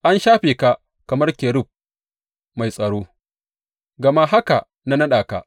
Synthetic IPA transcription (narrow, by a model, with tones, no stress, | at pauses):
ʔa˦nʃaː˦ɸeː˨ka˨ | kɐ˨mɐ˦rkʲeː˨ɽʊ˦˨b̚ | ma˨jsʼɐ˨ɽoː˦ | ɡɐ˨ma˦ɦa˦ka˨ | na˦nɐ˦ɗaː˨ka̰˨ʔ